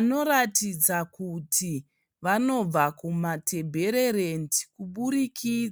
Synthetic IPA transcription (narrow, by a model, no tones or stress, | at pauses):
no̞ɾatid͡zakutʰi | ʋano̞b͡vakumatʰe̞bʱe̞ɾe̞ɾendi̥kuɓuɾikʰid͡z